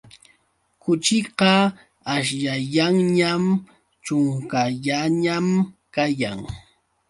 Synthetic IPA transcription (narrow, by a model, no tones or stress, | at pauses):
kʊt͡ʃɪqɑ | aʃ̬ʎaʎaŋɲam | t͡ʃʊŋkaʎaɲamkajaŋ